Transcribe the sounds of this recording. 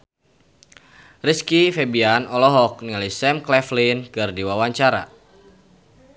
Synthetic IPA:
riskifɛbianɔlɔɦɔk̚nialisɛmklɛflinkɨrdiwawaɲt͡ʃaɾa̰

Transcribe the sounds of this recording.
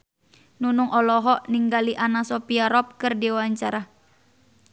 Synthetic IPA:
nunuŋʔɔlɔɦɔʔniŋɡaliʔanasɔpiaɾɔp̚kɨrdiwaɲt͡ʃaɾa

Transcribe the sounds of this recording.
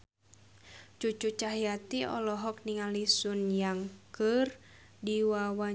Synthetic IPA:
t͡ʃut͡ʃut͡ʃaɦijat̪iɔ̰lɔɦɔk̚niŋalisunjaŋkɨr | diwawa

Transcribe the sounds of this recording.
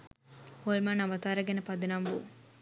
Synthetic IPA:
holmanɐʋɐt̪aːɾɐɡenepɐd̪inɐmbṵ

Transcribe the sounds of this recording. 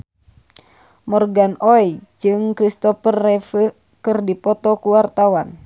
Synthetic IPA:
mɔrɡanɔid͡ʒɨŋkɾist̪ɔfərːɛfə | kɨrdipɔt̪ɔkuwart̪awan

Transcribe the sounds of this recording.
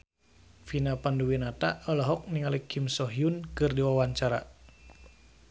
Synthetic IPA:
finapanduwinat̪aɔlɔɦɔk̚niŋalikimsɔɦiunkɨrdiwawaɲt͡ʃaɾa

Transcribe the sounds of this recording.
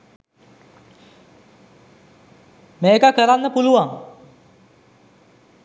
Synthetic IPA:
meekəkəɾanːəpuluʋaŋ

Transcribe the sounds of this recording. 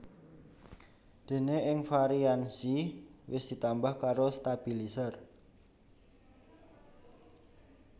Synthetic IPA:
d̪̥e̤neʔɪŋfaɾiansiwɪsd̪̥i̤t̪ambahkaɾost̪ab̥i̤lisər

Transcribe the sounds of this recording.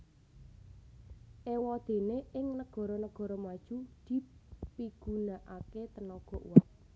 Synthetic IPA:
ʔewɔd̪̥e̤neɪŋnəɡ̥ɔ̤ɾɔnəɡ̥ɔ̤ɾɔmad̥ʒ̥ud̪̥i̤piɡ̥ṳnaʔaket̪ənɔɡ̥ɔ̤ʔṵwaʔ̚

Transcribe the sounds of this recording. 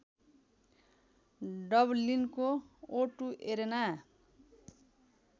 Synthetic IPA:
ɖʌblinkooʈuʔeɾena

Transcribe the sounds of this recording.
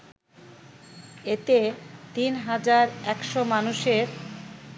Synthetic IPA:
et̪et̪inɦad͡ʑaɾɛkʃomanuʃeɾ

